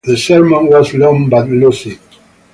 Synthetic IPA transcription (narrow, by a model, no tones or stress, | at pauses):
ðəsɛɹmə̃nwɔzlɔ̃ŋbatlusid